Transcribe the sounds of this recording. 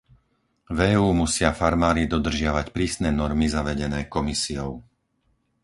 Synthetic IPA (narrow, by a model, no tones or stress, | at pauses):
vɛːuːmusɪafaɾmaːɾid̪ɔd̪r̩ʒɪaʋacpɾiːsnɛːnɔɾmizaʋɛɟɛnɛːkɔmisijɔʊ